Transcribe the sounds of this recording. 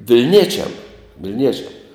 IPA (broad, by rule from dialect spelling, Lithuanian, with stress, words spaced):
ʋʲɪlʲˈnʲiɛt͡ʃʲɛm ʋʲɪlʲˈnʲiɛt͡ʃʲɛm